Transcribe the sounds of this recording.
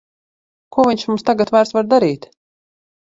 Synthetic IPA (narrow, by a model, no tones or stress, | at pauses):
kuɔviɲʲʃmumst̪aɡat̪vaːɾsvaɾd̪aɾiːt̪